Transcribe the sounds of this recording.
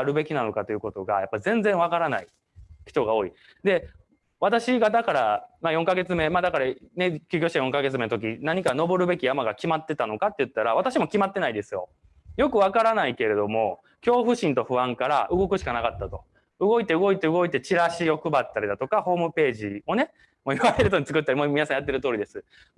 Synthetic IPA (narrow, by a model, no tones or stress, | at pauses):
aɾɯ̟be̞kʲinano̞kat̪ojɯ̟ko̞t̪o̞ɡa̰japːaizẽ̞nd͡zẽɰ̃β̞akaɾanai | çi̥t̪o̞ɡao̞ːi | d̪e̞ | βat̪aɕiɡad̪akaɾamajoŋkaɡe̞t͡sɨme̞maːd̪akaɾane̞kʲɨ̟ːkʲoːɕit̪eajõ̞ŋkaɡe̞t͡sɨmenot̪ok̬ʲinaɲ̟ikano̞bo̞ɾɯ̟be̞kʲijamaɡakʲimat̪ːe̞t̪ano̞kat̪ːe̞jɯ̟t̪ːaɾaβat̪aɕimo̞kʲimat̪ːe̞naid̪e̞sɨjo̞̰ | jo̞kɯ̟βakaɾanaike̞ɾe̞d̪o̞mo̞ | kʲo̞ːɸɯ̟ɕĩnt̪o̞ɸɯ̟βãŋkaɾa̰ʔɯ̟ɡo̞kɯ̟ɕikanakat̪ːat̪o̞ | ɯɡo̞it̪eɯ̟ɡo̞it̪e̞ɯ̟ɡo̞it̪e̞t͡ɕiɾaɕijo̞kɯ̟bat̪ːaɾid̪at̪o̞kaho̞ːmɯ̟pe̞ːʑio̞ne̞ | mo̞iβaɾe̞ɾɯ̟t̪oɲit͡sɨ̥kɯ̟t̪ːaɾimomʲinasãjat̪̬ːe̞ɾɯ̟t̪o̞ːɾʲid̪e̞sɨ